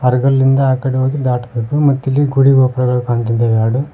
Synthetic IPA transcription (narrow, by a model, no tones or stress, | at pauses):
ɐɾɡɐlːind̪ɐːkːɐɽioːkid̪aːʈɐpeːpumɐt̪ːilːiɡuɽiɡoːpɾɐɡɐkaːnt̪ind̪ɐʋaːɽu